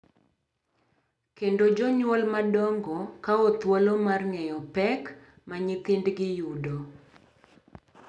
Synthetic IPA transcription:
kendod͡ʒɔɲwɔlmadɔŋɡɔkaɔt̪walomarŋɛjɔpɛk | maɲɪt̪ɪndɡɪjudo

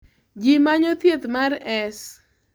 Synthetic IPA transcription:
d͡ʒimaɲot̪jet̪maɾɛs

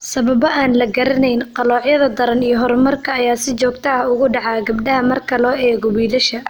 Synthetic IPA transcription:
sɐβɐβɔʔaːnlɐɡɐɾɐnɛjnqɑlɔːʕjɐðɐd̪ɐɾɐnijɔɦɔɾmɐrkʰɐːjaːsɪt͡ʃɔːɡ̚t̪ʰɐɐʊɣʊɖɑʕɑːɡɐbɖɐɦɐmɐrkʰɐlɔːɛːɣɔwiːlɐʃɐ

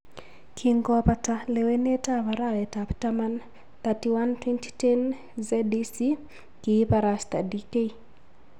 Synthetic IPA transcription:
kʰiŋɡɔpatalewenetavaɾalɛtaptaman | t̪atiwantwɛnti̥tɛn | zɛdisi | kipaɾast̪adikei

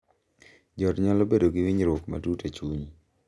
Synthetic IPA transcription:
d͡ʒɔtɲalɔbedoɡiwiɲɾwokma̰tutet͡ʃuɲ

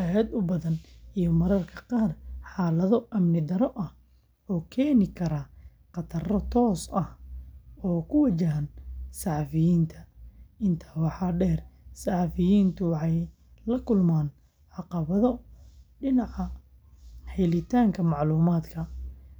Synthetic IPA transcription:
ɐɦɛːd̪ʊbɐðɐnijɔmɐɾɐrkʰɐ̥qɑːrħɑːlɐðɔʔɐmnɪd̪ɐɾɔʔɐh | ɔːkʰɛːnɪkʰɐɾɐ | qɑt̪ʰɐrɔt̪ʰɔːsɐh | ɔːkʰʊwɐt͡ʃɐɦɐnsɑħɑfɪjiːnt̪ʰɐɪnt̪ʰḁːwɑħɑːɖɛːrsɑħɑfɪjiːnt̪ʰʊwɑħɑj | lɐkʰʊlmaːn | ʕɑqɑβɐðɔɖɪnɑʕɑ | ħɛlɪt̪ʰaːŋkʰɐmɑʕluːmaːd̪kʰɐ

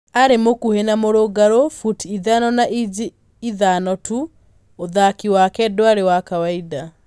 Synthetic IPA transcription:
aɾemokuhenamoɾoɡaɾofutiðanɔnaʔid͡ʒi | iðanɔtu | oðakiwakɛdoaɾewakawaida

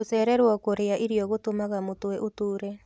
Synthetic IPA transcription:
osɛɾɛɾwɔkoɾeaʔiɾiɔɣotomaɣamotwɛʔotuːɾɛ

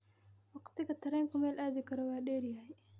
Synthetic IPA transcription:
wɑqt̪ʰɪɣɐt̪ʰɐɾɛŋkʰʊmɛːlʔaːðɪkʰɐɾɔwɑːɗɛːɾjɐhɛj

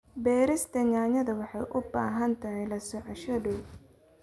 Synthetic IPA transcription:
bɛːɾɪst̪ʰɐɲaːɲɐðɐwɑħɑjʔʊbaːɦɐnt̪ʰɐɦhɛjlɐsɔʕɑʃɐdɔw

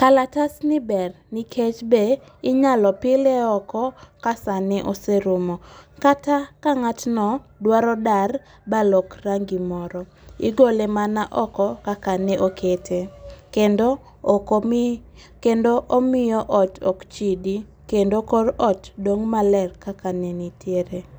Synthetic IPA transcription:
kalatasnɪbɛr | nikʰet͡ʃbe | ɪɲalɔpɪlɛɔkɔkasanɛʔoseɾumɔkatakaŋatnɔdwaɾɔdar | balɔkraŋɡimɔɾɔ | ḭɡolemanaʔɔkɔkakanɛʔokʰetʰekendo | k | kendoʔomɪjɔʔɔtɔkt͡ʃidi | kendokorɔtdoŋmalɛrkakanɛnitʰjeɾe

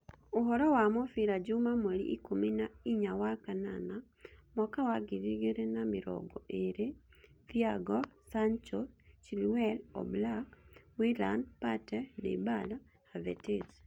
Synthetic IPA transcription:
oɦɔɾɔwamɔfiɾad͡ʒumamolḭʔikominaiɲawakana̰na | mɔkawaɡiɾiɡeɾenamɪɾɔ̰ɡɔʔeɾed̪iaɡɔsant͡ʃɔst͡ʃilwɛlɔ̰blakwilandpatɛnḛbala | havɛ̰tes

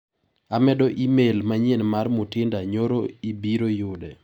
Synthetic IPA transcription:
amɛdɔʔimelmaɲenmarmʊtɪndaɲoɾoibiɾojʊdɛ

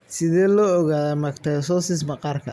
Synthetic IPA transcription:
sɪðɛːlɔːɔɣaːðɐmɐkt̪ʰɐsɔsɪs̬mɐqɑːrkʰɐ

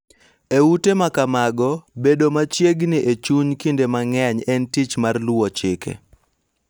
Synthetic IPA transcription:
eutemakamaɡɔbedomat͡ʃjeɡnɪʔet͡ʃuɲkindemaŋɛɲɛntit͡ʃmarlwɔt͡ʃɪkḛ

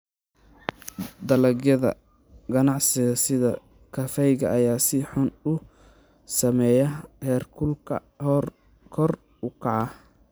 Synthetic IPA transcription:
d̪ɐlɐɡjɐðɐ̰ | ɡɐnɑʕsɪɣɐsɪðɐ | kʰɐfɛjɣɐʔːjaːsɪħʊnʊ | sɐmɛjɐhɛːrkʰʊlkʰɐ̰ | hɔr | kʰɔr | ʊkʰɑʕɑ

